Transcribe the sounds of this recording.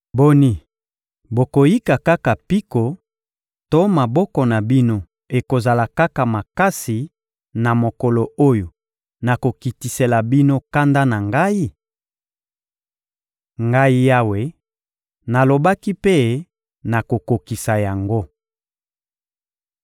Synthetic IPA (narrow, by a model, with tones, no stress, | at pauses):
bo˦ni˦ | bo˨ko˨ji˦ka˨ka˦ka˨pi˦ko˨ | to˦ma˨bɔ˦kɔ˨na˨bi˦no˦ | e˨ko˨za˨la˨ka˦ka˨ma˨ka˦si˨ | na˨mo˨kɔ˨lo˨o˦jo˨ | na˨ko˨ki˨ti˨se˨la˨bi˦no˦ka˦nda˦na˨ŋɡa˦i˦ | ŋɡa˦i˦ja˦we˦ | na˨lo˨ba˦ki˦pe˦ | na˨ko˨ko˨ki˨sa˨ja˨ŋɡo˦